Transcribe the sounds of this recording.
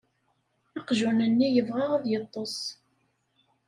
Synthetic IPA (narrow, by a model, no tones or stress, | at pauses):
ɑqʒunənːijəvʁɑʁaðjət̪ˤːosˤ